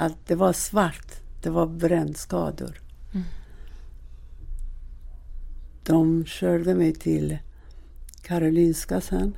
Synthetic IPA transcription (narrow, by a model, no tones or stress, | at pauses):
at̪̚d̪ɛvaʂvaʈ̪d̪̥ɛvaɾbɾɛnːskɑ̰ːd̪ʊ̰ɾ | d̪̥ɔmɕœːɖəmɛjt̪ʰɪl | kʰaɾʊliːnskasɛn